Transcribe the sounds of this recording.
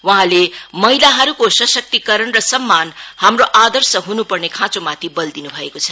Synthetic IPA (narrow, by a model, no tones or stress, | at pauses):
waɦãlemʌilaɦʌɾukosʌsʌk̚t̪ikʌɾʌnrʌsʌmːanhamroʔad̪ʌrsʌɦunupʌrnekʰãt͡somat̪ʰibʌld̪inubʱʌekot͡sʰʌ